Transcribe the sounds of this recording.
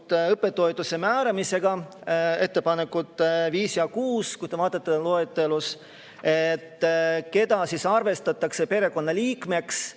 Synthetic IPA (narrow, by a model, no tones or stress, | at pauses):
t̪ːɤpːˑe̞t̪ːˑo̞jt̪use̞mæːɾɑmise̞ɡ̥ɑe̞t̪ːe̞pɑne̞kːˑut̪ːˑviːsiɑkuːskusd̪evɑːd̪̥ɑt̪ːeloet̪ːe̞lus | et̪ːke̞d̪ɑsisɑrve̞st̪ɑt̪ːˑɑkse̞pe̞ɾe̞ko̞nːɑliːkme̞ks